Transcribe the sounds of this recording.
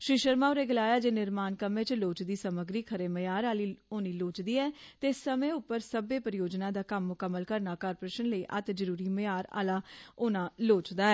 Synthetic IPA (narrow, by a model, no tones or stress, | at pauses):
ʃɪʃəɾmãːɾeːɡəlaːjaːd͡ʒeːnɪɾmaːnkəmẽːt͡ʃloːt͡ʃd̪iːsəməɡɾiːkʰəɾeːməjaːɾaːliːoːniːloːt͡ʃd̪iːɛːt̪eːsəmẽːʊpːəɾsəbeːpəɾɪjoːd͡ʒnãːd̪aːkəmːʊkəmːəlkəɾnaːkaːɾpoɾeːʃənləiːʔə̰t̪d͡ʒəɾuːɾiːməjaːɾa̰ːlaːʊnãːloːt͡ʃd̪aːɛː